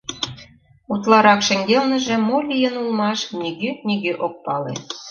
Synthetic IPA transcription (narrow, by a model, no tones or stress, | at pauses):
ut̪lˠɑɾɑkʃə̆ŋɡelnə̆ʒĕmolʲijənulmɑʃnyɣønyɣøʔok̚pɑlḛ